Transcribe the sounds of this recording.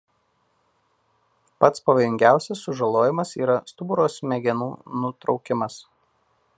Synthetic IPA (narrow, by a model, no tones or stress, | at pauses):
pɐt̪spɐʋɐjʊŋʲɡʲæˑʊsʲɛsːʊʒɐlˠoːjɪmɐsiːɾɐst̪ʊbʊɾoːsmʲɛɡʲɛnuːnʊt̪ɾɒʊkʲɪmɐs